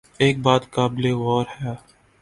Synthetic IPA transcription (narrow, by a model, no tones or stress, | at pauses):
eːk̚baːt̪kaːbɪleːʋɔːɾhɛ